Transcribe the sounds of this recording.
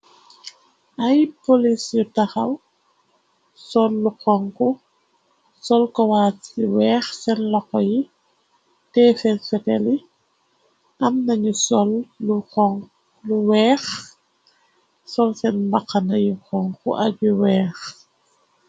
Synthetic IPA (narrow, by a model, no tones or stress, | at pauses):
ʔɐjpolisjutaxɐw | sɔlːuxɔŋku | sɔlkɔwaːtsiwɛːxsɛnlɔkɔji | tɛːfɛnfɛtɛli | ʔɐmnɐɲusɔlːuɔŋ | luwɛːx | sɔlsɛnbaqːɐnɐjikɔŋkṵʔɐɟuwɛːx